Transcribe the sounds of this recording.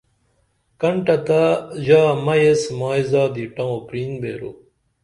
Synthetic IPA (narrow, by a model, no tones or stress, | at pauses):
kɐɳʈɐt̪aʑaːmɐjesmaːjzaːd̪iʈɐ̃wõpɾiːnbḛːɾo̰